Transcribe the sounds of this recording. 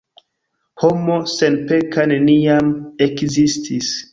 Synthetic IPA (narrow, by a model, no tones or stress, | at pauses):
homosenpekaneniamekzistʰis